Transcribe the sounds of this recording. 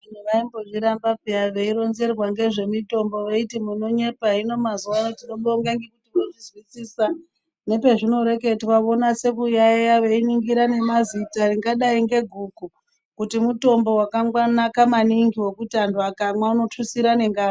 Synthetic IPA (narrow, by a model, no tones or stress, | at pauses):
inuʋaimboʐiɾambapiaʋe̞iɾo̞nze̞rwaŋɡe̞ʐe̞mito̞mbo̞ʋeitimuno̞ɲe̞paɦino̞mazuʋaːnotiɗomɓooŋɡeŋɡekutiʋoʐizwisiːsa | ne̞pe̞ʐino̞ɾe̞ke̞twao̞nase̞kujajaʋe̞iniŋɡiɾane̞mazitariŋɡaɗaiŋɡe̞ɡʱuːɡʱu | kutimuto̞mbo̞wakaŋɡwanakamaniŋɡiwo̞kutandʱuakamwauno̞tusiɾane̞ŋɡaː